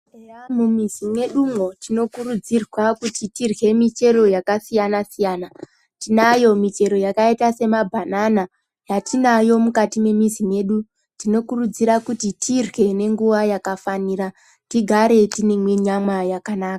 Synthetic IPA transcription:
eamumizime̞ɗumwo̞tino̞kurud͡zirwakutitirɣe̞mit͡ʃe̞ɾo̞jakasijanasijana | tinajo̞mit͡ʃe̞ɾo̞jakaitase̞mabʱanana | jatinajo̞mukatime̞mizime̞ɗu | tino̞kurud͡ziɾakutitʰirwe̞ne̞ŋɡuʋajakafaniːɾa | tiɡʱaɾe̞tinemwe̞ɲamwajakanaːka

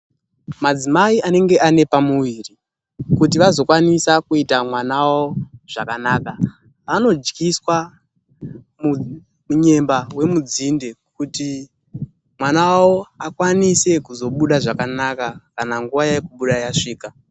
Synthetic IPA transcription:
mad͡zimaiane̞ŋɡe̞ʔane̞pamuʋiːri | kutiʋazo̞kwanisakuitamwanawoʐ̥akanaːka | ʋano̞d͡ʒɡiswa | mu | muɲe̞mbawe̞mud͡zinde̞kuti | mwanawawoakwanise̞kuzo̞ɓuɗaʐakanakakanaŋɡuʋajajekuɓuɗajaʂiːka

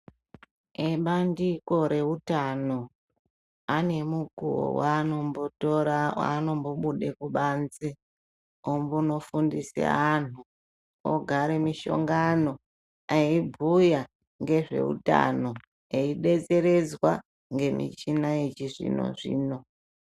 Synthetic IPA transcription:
eɓandiko̞ɾe̞utano̞ | ane̞muɡʱuwo̰wanombotoɾawa̰ːno̞mbo̞ɓuɗe̞kuɓaːnze | ombuno̞fundisḛan̤u | o̰ɡʱaɾemiʃo̞̰ŋɡano̞ | eibʱuja | ŋɡe̞ʐe̞̰ṵta̰no̞ | eiɗe̞t͡se̞ɾe̞d͡zwa | ŋɡe̞mḭt͡ʃinait͡ʃiʐḭno̞̰ʐḭːno̞

